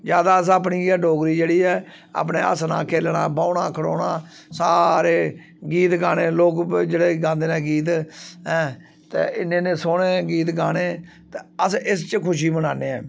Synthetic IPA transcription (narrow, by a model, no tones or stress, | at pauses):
d͡ʒjaːd̪aːəs̬aːp̬niːɡɖoːɡɾiːd͡ʒeːɽiːɛː | a̰ːpneːə̰sna̰ːkʰeːlnã̰ːbaːʊnaːkʰəɽoːnaː | saːɾeː | ɡiːt̪ɡaːneːloːkd͡ʒeːɽeːɡãːnd̪eːnɛ̃ːɡiːt̪̬ɦɛ̃ː | t̪ḛːɪnːẽːnẽːsoːɽeːɡiːt̪̬ɡaːɽeː | t̪eəsɪst͡ʃkʰʊʃ̬iːmənaːneːɛ̰ː